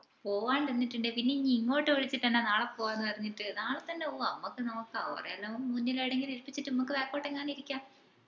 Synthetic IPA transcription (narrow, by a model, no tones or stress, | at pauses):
po̞ːʋaːɳɖenːiʈːuɳɖɨpinːeɲiŋːo̞ːʈːɨɐɻit͡ɕːiʈːɐnːenaːɭepːoːaːenːɨpɐrɐɲːiʈːɨnaːɭet̪ːɐnːeoːɐmːɐkːɨnɐmukːɨɐɐ̰rɐ̰jɐlːomunːilajiɽeŋɡiliɾpːit͡ɕːiʈːɨnɐmukːɨʋeːkːoːʈːeŋːaːɳiiɾikʲːaː